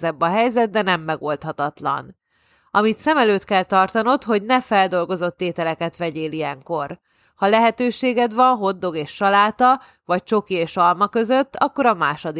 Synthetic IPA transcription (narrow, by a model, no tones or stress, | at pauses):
zɛbːɒɦɛjzɛd̪̚d̪ɛnɛmːɛɡo̞lt̪hɒt̪ɒt̪lɒ̰n | ɒmit̪sɛmɛløːt̪kɛlt̪ɒrt̪ɒno̞t̪ho̞ɟnɛfɛld̪o̞lɡo̞zo̞t̪ːeːt̪ɛlɛkɛt̪ʋɛɟeːlijɛŋko̞r | hɒlɛɦɛt̪øːʃeːɡɛd̪ʋɒnɦo̞d̪ːo̞ɡeːʃːɒlaːt̪ɒ | vɒc̚t͡ʃo̞kieːʃɒlmɒkø̞zø̞t̪ːɒ̰kːo̞ɾɒmaːʃod̪i